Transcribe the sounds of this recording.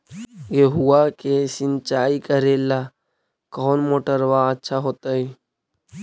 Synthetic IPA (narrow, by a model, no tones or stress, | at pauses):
jeɦuakesɪnt͡ʃaːikəɾeːlaː | kɔːnmoːʈəɾʋaətːʃʰaɦoːt̪aɦiː